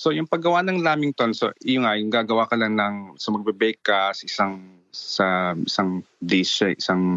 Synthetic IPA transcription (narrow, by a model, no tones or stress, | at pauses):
so̞jʊŋpɐɡɐwanɐŋlaːmɪŋt̪onsoɪjʊŋajʊŋɡaːɡɐwakɐlaŋnɐŋsɐmɐɡ̚bɛbɛkasɐʔɪsaŋ | sɐʔɪsaŋ | d̪ɪsɐʔɪsaŋ